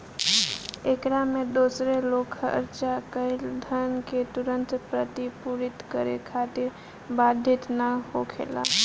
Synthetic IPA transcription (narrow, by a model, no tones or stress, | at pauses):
ekɾamed̪osɾelokʰə̰ɾt͡ʃakəɪld̪ʱənket̪uɾənt̪pɾət̪ipuɾit̪kəɾekʰat̪iɾ | bad̪ʱːit̪nəhokʰḛla̰